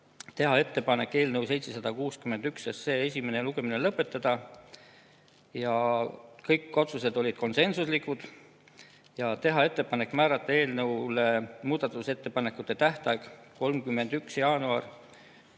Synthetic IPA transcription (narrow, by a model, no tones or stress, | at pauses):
t̪e̞ɦɑe̞t̪ːe̞pɑne̞kːˑe̞ːlnɤwse̞jt̪se̞sɑd̪̥ɑkuːskyme̞nd̪̥yksesse̞ːes̬ʲime̞neluɡe̞minelɤpːe̞t̪ːˑɑd̪̥ɑ | jɑkɤjkːˑo̞t̪suse̞d̪̥o̞lʲid̪̥ko̞nse̞nsuslikud̪̥ | jɑt̪e̞ɦɑe̞t̪ˑːe̞pɑne̞kːˑmæːɾɑt̪ˑːɑe̞ːlnɤwlemuːd̪̥ɑt̪ˑːuse̞t̪ːe̞pɑne̞kːˑut̪ːˑe̞t̪æht̪ɑjɡ̥ko̞lmkymːe̞nd̪̥yksjɑːnuɑr